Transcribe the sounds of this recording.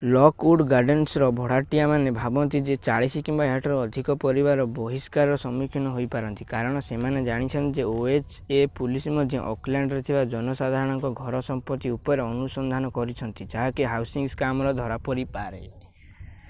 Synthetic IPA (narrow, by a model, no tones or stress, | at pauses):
lɔkuɖɡaɖensɾɔbʱɔɽ̤aʈijamanebʱabɔnt̪id͡ʒet͡ʃaɭisikimbaɦaʈɔɾɔːd̪ʱikɔpɔɾibaɾɔbɔɦiskaɾɾɔsɔmukʰjɔnɔɦojpaɾɔnt̪ikaɾɔɽ̃ɔsemaned͡ʒaɽ̃it͡ʃʰɔnt̪id͡ʒeoet͡ʃepulisimɔd̪ʱjɔ̰ʔɔ̰klaɳɖɾet̪ʰibad͡ʒɔnɔsad̪ʱaɾɔɽ̃ɔŋkɔɡʱɔɾɔsɔmpɔt̪iupɔɾeɔnusɔnd̪ʱanɔkɔɾit͡ʃʰɔnt̪id͡ʒaɦɔkeɦawsiŋɡskamɔɾɔd̪ʱɔɾapɔɾipaɾe